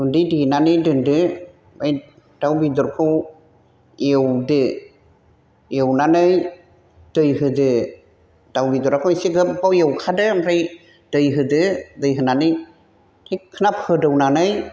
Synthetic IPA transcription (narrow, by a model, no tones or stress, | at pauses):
undɯjdinanɯjdɯndɯ | maj | d̥awbidɔɾkʰɯw | ewdɯ | ewnanɯj | d̥ɯjɦɯdɯ | d̥awbidɔɾakʰɯwisiɡɯbawewkʰadɯmɾaj | d̥ɯjɦɯdɯdɯjɦɯnanɯj | tʰikʰɯnap̚hɯdɯwnanɯj